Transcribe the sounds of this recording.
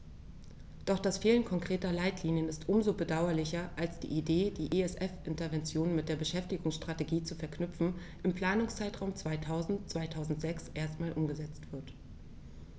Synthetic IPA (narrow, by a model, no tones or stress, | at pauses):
d̥ɔχd̥asfeːlənkʰɔŋkʁ̥eːtɐlaɪtʰliːnjənɪstʔʊmzoːbədaʊɐlɪçɐʔalsd̥ḭːʔideːdiːʔeɛsʔɛfʔɪntɐvɛnt͡sjoːnmɪt̚d̥eːɐbəʃɛftɪɡʊŋsʃtʁ̥ateɡiːt͡sufɛɐkʰnʏfn̩ | ʔɪmpl̥aːnʊŋst͡saɪtʁ̥aʊmt͡sv̥aɪtʰaʊzn̩tt͡sv̥aɪtʰaʊzn̩tz̥ɛksʔeːɐstmaːlʔʊmɡəzɛt͡stv̥ɪɐt